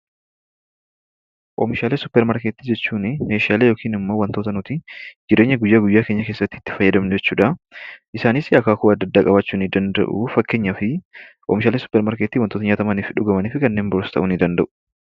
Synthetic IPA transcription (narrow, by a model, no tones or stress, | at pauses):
ʔoːmɪʃaːleːsʊpːɛɾmɐɾket̪ːiːd͡ʒɛt͡ʃːuːnɪme̞ːʃɪaːleːjo̞ːkʰiːnɪmːoːwɐnt̪ot̪ɐnʊt̪ɪd͡ʒɪɾe̞ːɲːɐɡʊjːaːɡʊjːaːke̞ːɲːɐke̞ːsːɐt̪ːɪːt̪ːɪ̥fɐjːɐd̪ɐmnʊd͡ʒɛt͡ʃːuːᶑɐʔɪsaːnɪsɐkaːkuɐd̪ːɐd̪ːaːkʼɐbɐt͡ʃːuːnɪd̪ɐnd̪ɐ̰ʔʊ̰fɐkːe̞ːɲːɐfɪʔɔ̰mɪʃaːleːsʊ̥pːɛɾmɐɾket̪ːiːwɐnt̪oːt̪ɐɲaːt̪ɐmɐniːfɪᶑʊɡɐmɐniːfɪkɐnːeːmbɔɾsɐ̥t̪ɐ̰ʔʊnɪd̪ɐnd̪ɐʔʊ̥